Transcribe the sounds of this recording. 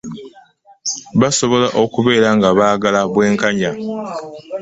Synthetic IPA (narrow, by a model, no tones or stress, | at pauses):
βaso̞βo̞laʔokuβe̞ːɾaŋɡaβaːɡalaβwe̞ːŋkaɲa